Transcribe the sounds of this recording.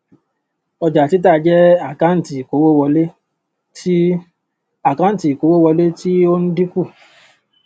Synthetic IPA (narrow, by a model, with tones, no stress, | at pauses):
ɔ˧d͡ʒa˨ti˨˦t̬a˦˨˧d͡ʒɛ˦a˦˨kã˨˦n̩˨ti˨ko˨˦wo˦˨wɔ˧le˦ | ti˦ | a˦˨kã˨˦n̩˦˨ti˨ko˨˦wo˦wɔ˧le˦ti˦o˦n̩˦di˦ku˦˨